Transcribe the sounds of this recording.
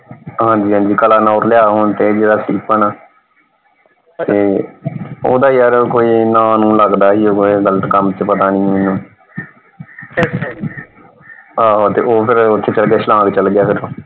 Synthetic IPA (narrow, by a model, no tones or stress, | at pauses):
ɦãːɲd͡ʒiːɦãːɲd͡ʒiːkəlaːnaːɾlɪjaːɦoːnt̪eːd͡ʒeːɽaːsiːpənaː | t̪eː | oːd̪aːijaːɾkoːiːnãːnũːləɡd̪aːɦiːɦoːɡoeɡələt̪kəmt͡ʃpət̪aːnĩːmɪnːũː | aːt̪eːʔoːpʰɪɾʊt̪ʰːeːt͡ʃəlɡɪjaːt͡ʃlãːɡt͡ʃəlɡɪjaːpʰɪɾoː